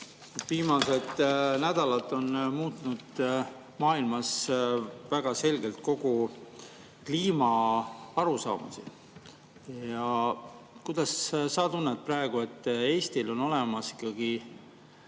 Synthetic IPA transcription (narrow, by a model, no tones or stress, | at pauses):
et̪viːmɑse̞d̪næd̪̥ɑlɑt̪ˑːo̞nmuːt̪nud̪̥ | mɑːilmɑs | væɡ̥ɑse̞lɡe̞lt̪̚ko̞ɡ̥u | kliːmɑɑɾusɑ̰ːmṵsḭ | jɑ | kujd̪̥ɑssɑːt̪unːet̪̚prɑeɡ̥ue̞t̪ːe̞ːst̪ilo̞no̞le̞mɑsi̥kːɑɡ̥i